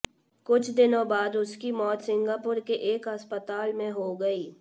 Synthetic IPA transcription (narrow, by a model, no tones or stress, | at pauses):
kʊt͡ʃʰd̪ɪnõbaːd̪ʊskimɔːt̪sɪ̃ŋɡaːpʊɾkeʔeːkɐspət̪aːlmẽɦoɡɐiː